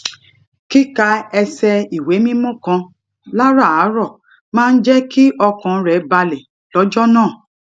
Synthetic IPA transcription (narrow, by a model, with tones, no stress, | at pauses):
ki˦ka˧ɛ˧sɛ˧i˨we˨˦mĩ˦mõ˦kã˧ | la˦ɾa˦˨a˨˦ɾɔ˦˨ | mãː˦˧n̩˦d͡ʒɛ˦ki˦ʔɔ˧kã˧˦ɾɛ˨˦ba˧le˨ | lɔ˨˦d͡ʒɔ˦nãː˦˨